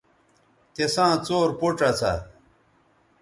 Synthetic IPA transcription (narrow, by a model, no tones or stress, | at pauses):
t̪esãːt͡soːɾpuʈ͡ʂɐt͡sʰa̰